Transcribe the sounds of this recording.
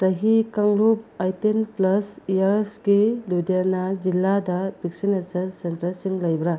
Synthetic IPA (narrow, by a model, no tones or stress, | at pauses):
sɐɦikaŋlub̚ajtenplɐsijaɾsɡiludiaɾnad͡ʒilːadɐbik̚sinesɐsentɾɐsiŋlɐjbɾa